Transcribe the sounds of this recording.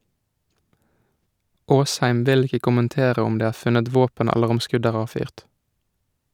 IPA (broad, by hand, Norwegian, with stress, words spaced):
ˈʔoːsˌhæɪm ˈʋɪl ˈɪkə kʊmənˈteːʁə ˈɔm ˈdeː ˈæːʁ ˈfʉnət ˈʋoːpən ˈæləʁ ˈɔm ˈskʉd ˈæːʁ ˈɑːʋˌfyːʁt